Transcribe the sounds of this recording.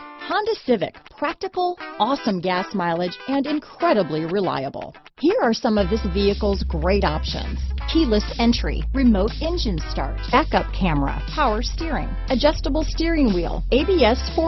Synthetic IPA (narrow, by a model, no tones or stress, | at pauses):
kʰɑ̃ndɨsɪvɨ̰k̚pʰɹ̥æk̚tɨkl̩ˠɔsə̃mɡæsmaɪlˠɨd͡ʒɨ̃nɨ̃nkʰɹ̥ɛɾəbliɹɨla̰ɪə̰bl̩ˠ | hiɹə˞sʌ̃mʌvðɪsviɨkl̩ˠzɡɹeɪɾɑ̰pʃɨ̰̃nz̥kʰilˠəsɛ̃nt͡ʃɹ̥ḭɹɨmoʊɾɛ̃nd͡ʒɨ̃nstɑ̰ɹtɛkʌp̚kʰæmə˞ə̰pʰaʊə˞stɪɹɪ̰̃ŋ | ɨd͡ʒʌstəbl̩ˠstɪɹɪ̃ŋwḭlˠeɪbiɛsfɔ